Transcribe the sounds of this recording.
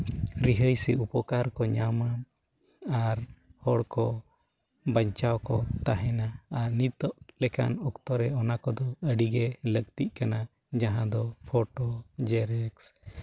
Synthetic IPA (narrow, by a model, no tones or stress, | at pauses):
ɾiɦəjsɛ̰upɔkaɾkɔɲamam | aɾhɔɽkɔ | baɲt͡ʃawkɔt̪aɦɛnaːɾnit̪ɔʔlɛka̰nɔkt̪ɔɾɛɔnakɔd̪ɔəɖiɡɛləɡ̚t̪iʔ̪̚kana | d͡ʒaɦãd̪ɔpʰɔʈɔd͡ʒɛɾɛks